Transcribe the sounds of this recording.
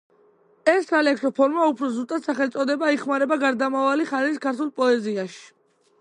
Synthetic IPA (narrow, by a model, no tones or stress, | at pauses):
ɛsːalɛksɔpʰɔɾmaupʰɾɔzust̪ʼat̪saχɛlt̪sʼɔd̪ɛbaiχmaɾɛbaɡaɾd̪amavaliχaɾiiskʰaɾt̪ʰulˠpʼɔɛziaʃi̥